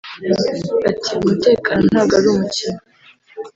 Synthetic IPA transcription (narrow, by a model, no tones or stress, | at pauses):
atiumute̞ːkʰanonaɡaɾumucino